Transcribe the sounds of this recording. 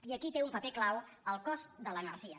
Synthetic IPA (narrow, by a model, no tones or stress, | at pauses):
iəkit̪eumpəpeklaw | əlˠkɔzd̪ələnəɾʒiə